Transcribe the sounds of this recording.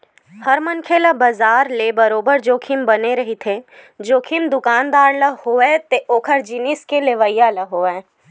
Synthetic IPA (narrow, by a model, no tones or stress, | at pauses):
hɐɾmənkʰeːləbɐzaːɾlebɐɾoːbəɾd͡ʒoːkʰɪmbɐneɾɐɦit̪ʰed͡ʒoːkʰɪmd̪ʊkaːnd̪aːɾləhoːɛt̪eʔoːkʰəɾd͡ʒinɪskeleʋəɪjaləɦoːɛ̃ː